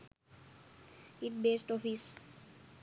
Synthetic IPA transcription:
iʈ̚beːsʈɔfis

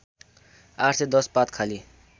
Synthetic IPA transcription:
aʈʰsed̪ʌspat̪kʰali

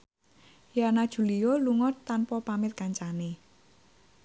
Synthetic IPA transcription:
janad̥ʒ̥ṳlijoluŋɔt̪ːanpɔpamɪt̪̚kaɲt͡ʃane

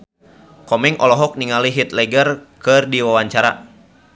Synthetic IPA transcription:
kɔmɛŋʔɔlɔɦɔk̚niŋaliɦit̪lɛɡərkɨrdiwawaɲt͡ʃaɾa̰

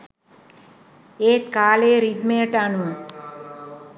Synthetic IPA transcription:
eːt̪kaːleːɾid̪meʈanu

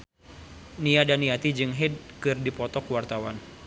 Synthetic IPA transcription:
niadaniat̪id͡ʒɨŋɦɛd̚kɨrdipɔt̪ɔkuwart̪awan

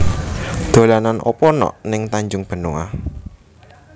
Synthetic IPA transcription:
d̪̥o̤lananʔɔ̰pɔnɔ̰ʔnɪŋt̪aɲd͡ʒʊŋb̥ə̤noa̰

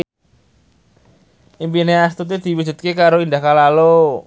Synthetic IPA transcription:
impineast̪ut̪̬id̪̥i̤wu̥d͡ʒ̥ṳt̪̚kekaɾoind̪ahkalalo

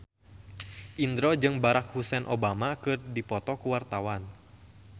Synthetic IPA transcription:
ʔind̪ɾɔd͡ʒɨŋbaɾak̚husɛnʔobamakɨrdipɔt̪ɔkuwart̪awan

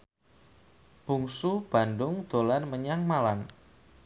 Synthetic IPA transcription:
b̥uŋsub̥a̤ndʊŋd̪̥olanməɲaŋmalan

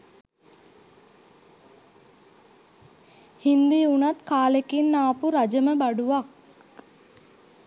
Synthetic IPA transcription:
hind̪iunat̪kaːlekinːaːpuɾad͡ʒəməbaɖuʋak̚

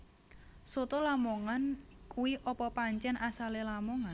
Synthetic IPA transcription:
sot̪ɔlamɔŋankuwiʔɔpɔpaɲt͡ʃɛnʔasalelamɔŋa

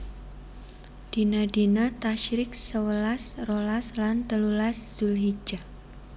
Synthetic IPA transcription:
d̥i̤nadinat̪aʃɾɪk̚səwəlasrolaslant̪əlulasz̥ulɦi̥d͡ʒa

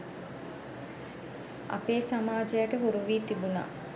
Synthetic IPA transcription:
a̰peːsamaːd͡ʒɐjəʈəɦuɾuʋiːt̪ibuna̰

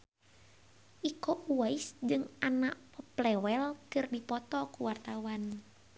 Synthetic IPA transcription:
ʔikoʔuaisd͡ʒɨŋanaʔpɔplɛwɛlkɨrdipɔt̪ɔkuwart̪awan

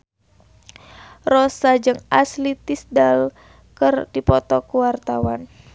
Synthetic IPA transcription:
rɔsad͡ʒɨŋaslit̪isdal | kɨrdipɔt̪ɔkuwart̪awan

